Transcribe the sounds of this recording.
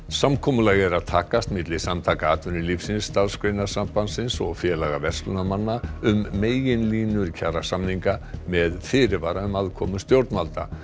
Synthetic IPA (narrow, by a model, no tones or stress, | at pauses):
samkʰɔmʏlaɣɛɾaðt̪ʰaːkast̪mɪt̪lɪsamt̪ʰaːkaaːt̪ʏnɪlifsɪnst̪alskɾejnḁsampansɪnsɔ̰ɣfjɛːlaɣavɛr̥st̪lʏnamanːaʏmːeːjjɪnliːnʏɾcʰaːɾasamniŋkamɛðfɪːɾɪvaːɾaʏmaðkʰɔmʏst̪jowɾt̪nmalt̪a̰